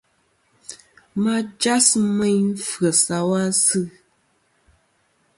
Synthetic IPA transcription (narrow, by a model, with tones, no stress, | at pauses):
ma˦d͡ʒa˦smɛ˦ɲ̩˦fɣə˨sa˨wa˦sɨ˦˨